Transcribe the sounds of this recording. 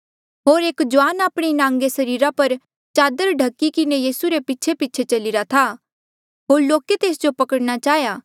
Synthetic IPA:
ɦoːɾeːkd͡ʒʊʋaːnaːpɽ̃inãːŋɡesɐɾiːɾapɐɾ | t͡ʃaːd̪əɾɖʱɐkːikɪnejiːsuɾepiːʃʰepiːt͡ʃʰet͡ʃɐlɪɾat̪ʰa | ɦoːɾloːket̪eːsd͡ʒopɐkəɽɽ̃at͡ʃaːɦjaː

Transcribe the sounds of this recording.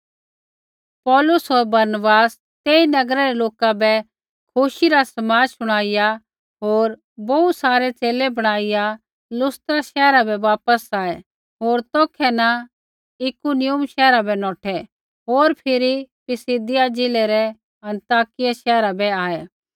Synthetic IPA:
pɔːlʊsɦoːɾbɐɾnəbaːs | t̪eːinɐɡɾaɾɛloːkabɛ | kʰʊʃiɾasɐmaːd͡ʒsʊɽ̃aːɪja | ɦoːɾ | bɐut̪saːɾet͡seːlebɐɽ̃aːɪja | lʊst̪ɾaʃɛːɾabɛʋaːpəsaːɛ | ɦoːɾt̪ɔːkʰɛnɐ | ɪkunɪjʊmʃɛːɾabɛnɔːʈʰɛ | ɦoːɾpʰɪɾipɪsɪd̪ɪjad͡ʒɪlɛɾɛ | ɐ̃nt̪aːkɪjaʃɛːɾabɛaːɛ

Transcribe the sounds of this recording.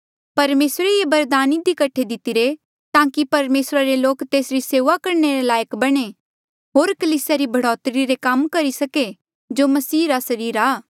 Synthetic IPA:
pɐɾmeːsɾeebɐɾd̪aːnɪd̪ikɐʈʰːed̪ɪt̪ɪɾe | t̪ãːkipɐɾmeːsɾaɾeloːkt̪eːsɾiseːʋakɐɾneɾelaːjəkbɐɽ̃e | ɦoːɾkɐliːsjaɾibʱɐɽɔːt̪ɾiɾekɐmkɐɾisɐke | d͡ʒoːmɐsiːɾasɐɾiːɾaː

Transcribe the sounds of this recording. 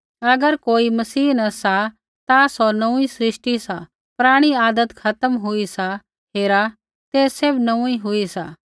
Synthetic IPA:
ɐɡəɾkoːimɐsiːnɐsa | t̪asɔnɐũĩsɾɪʃʈisa | pɾaːɽ̃iaːd̪ət̪kʰɐt̪əmɦʊisa | ɦeːɾa | t̪eːsebnɐũiɦʊisaː

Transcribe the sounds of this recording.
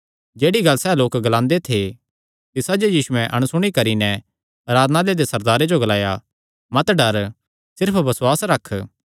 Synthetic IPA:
d͡ʒeːɽiɡɐlsɛːloːkɡɐlãːnd̪et̪ʰe | t̪ɪsaːd͡ʒojiːsuɛ̃ʔɐɽ̃ʊsʊɽ̃ikɐɾinɛ | ɾaːd̪naːled̪esɐɾd̪aːɾed͡ʒoɡɐlaːja | mɐt̪ɖɐɾ | sɪɾpʰbɐswaːsɾɐkʰː

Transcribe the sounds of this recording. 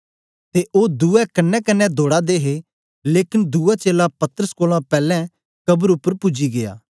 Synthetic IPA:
t̪eʔoːd̪uːɛkɐnːɛkɐnːɛd̪ʱoːɽad̪eːɦe | leːkɪnd̪uːat͡ʃeːlapɐt̪əɾəskoːlãpɛːlɛ̃ | kɐbəɾʊpːəɾpʊd͡ʒiɡeja̰ː

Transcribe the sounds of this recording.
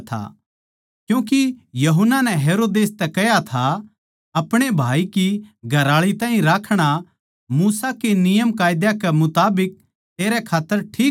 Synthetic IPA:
t̪ʰa̰ | kjũːk̬ijɐɦʊnːanɛ̃ɦeːɾoːd̪eːst̪ɛkɛjat̪ʰa | ɐpɽ̃ebʱaːikiɡʱɐɾaːɭit̪ãːɦĩɾaːkʰɽ̃a | muːsakenɪjəmkaːjd̪jakɛmʊt̪aːbɪk̚ | t̪eːɾɛkʰaːt̪ːəɾʈʰiː

